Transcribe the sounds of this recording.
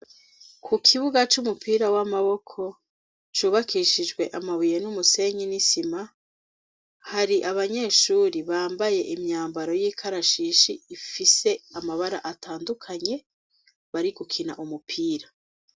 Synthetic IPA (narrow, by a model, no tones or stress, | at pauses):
kʰukʰiβuɡat͡ʃumupʰiːɾawamaβo̞kʰo̞ | t͡ʃuːβakʰiʃid͡ʒɡwe̞ʔamaβijenumuse̞ɲinisima | haɾiʔaβaɲe̞ːʃuːɾiβaːmbaje̞ʔimɲaːmbaɾo̞jiːkʰaɾaʃiːʃiːfise̞amaβaɾa̰ʔataːndukʰaɲe̞ | βaɾiɡukʰinaʔumupʰiːɾa